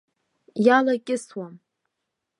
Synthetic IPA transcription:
jalakʲʼɪswam

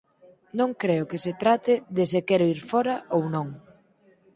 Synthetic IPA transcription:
nõŋkɾeʊkɪset̪ɾat̪ɪðesɪkɛɾoiɾfɔɾɐʔownõŋ

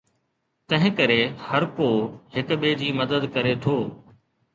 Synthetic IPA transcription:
t̪ɐ̃ɦɪ̃kɐɾehɐɾkoːhɪkɓeːd͡ʑiːmɐd̪əd̪kɐɾet̪ʰoː

